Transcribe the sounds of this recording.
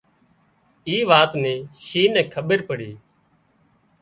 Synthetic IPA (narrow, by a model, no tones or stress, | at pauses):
iːʋaːt̪nẽːʃiːnɛ̃ːkʰəɓəɾpəɽiː